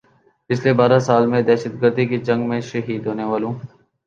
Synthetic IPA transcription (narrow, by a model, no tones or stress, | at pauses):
pɪt͡ʃʰleːbaːɾaːsaːlmẽd̪ɛːʃəd̪ɡəɾd̪iːkid͡ʒə̃ŋɡmẽʃəɦiːd̪ɦoːneːʋaːlõː